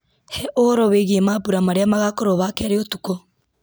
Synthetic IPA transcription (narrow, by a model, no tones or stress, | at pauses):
hɛʔoɾɔβeɣiemapuɾamaɾeamaɣakoɾoβakɛaɾeotuko